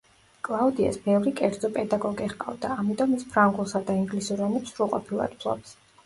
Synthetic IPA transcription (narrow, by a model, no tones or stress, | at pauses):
kʼlˠaud̪ia̰sbɛvɾikʼɛɾd̪zɔpʼɛd̪aɡɔɡiʁqʼa̰vd̪aːmit̪ʼɔmispʰɾaŋɡulˠsad̪aiŋɡlisuɾɛnɛpsɾuqʼɔpʰilˠa̰d̪̥̚pʰlˠɔ̰bs